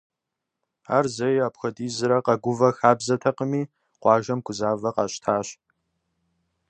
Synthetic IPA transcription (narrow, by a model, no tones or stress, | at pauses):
a̰ːrzɐjaːpxɐdiːzɨɾɐqɐɡʷʊvɐxaːbzɐtʰɐqəmiː | qʷɑːʒɐmkʷʰʊzaːvɐqɑːɕtʰaːɕ